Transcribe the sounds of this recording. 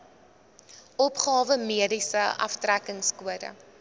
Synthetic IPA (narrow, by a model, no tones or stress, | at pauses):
ɔpχɑːvəmiədisəʔɐ̰ftrækəŋskuədə̰